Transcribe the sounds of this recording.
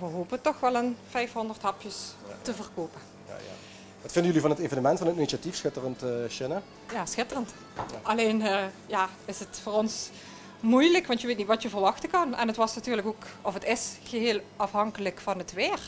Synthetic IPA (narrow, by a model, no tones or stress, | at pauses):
ʋəɦoːpətɔxʋɛlˠənv̥ɛjfɦɔndərthɑpjəstəvərkoːpə̰ | ʋɑtfɪndəjɵlivɑnɦətevənəmɛntfɑnətiniʃatifsxɪtərəntːʃɪnə | jaːsxɪtərənt | ɑleːnːjaːɪsətfoːrɔns | mujləkʋɑntjəʋeːtnitʋɑtjəvərʋɑxtəkɑnɛ̰nɦətʋɑsnatyːɹrləkokɔfətɪsxəɦeːlˠɑfɦɑŋkələkfɑnətʋɪːr